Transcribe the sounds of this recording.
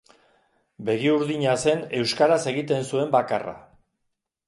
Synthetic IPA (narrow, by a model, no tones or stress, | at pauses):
be̞ɣiuɾðiɲase̞ne̞wskaɾase̞ɣit̪e̞nsue̞mbakara̰